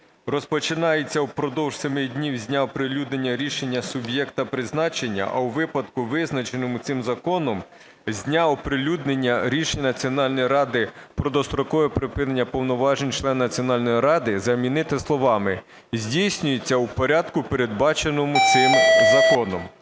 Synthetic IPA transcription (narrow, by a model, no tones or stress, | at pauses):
rɔspɔt͡ʃɪnɑjet͡sʲːɐwpɾɔd̪ɔwʒ̥semɪdʲnʲiwzʲnʲaɔpɾɪlʲud̪nenʲːɐɾʲiʃe̞nʲːɐsʊbʲjɛkt̪ɐpɾɪznɑt͡ʃenʲːɐ̰ʔɐ̰wʋɪpɐd̪kʊʋɪznɐt͡ʃenɔmʊt̪sɪmzɐkɔnɔm | zʲnʲaɔpɾɪlʲud̪nenʲːɐɾʲiʃenʲnɐt͡sʲiɔnɑlʲnɔjɾɑd̪ɪpɾɔd̪ɔst̪ɾɔkɔʋɛpɾɪpɪnenʲːɐpɔwnɔʋɑʒenʲt͡ʃlˠɛnːɐt͡sʲiɔnɑlʲnɔjiɾɑd̪ɪzɐmʲinɪt̪ɪslˠɔʋɑmɪ | zʲdʲijsʲnʲʊjet͡sʲːɐwpɔɾʲɑd̪kʊpe̞ɾed̪̚bɑt͡ʃe̞nɔmʊt̪sɪmzɐkɔnɔm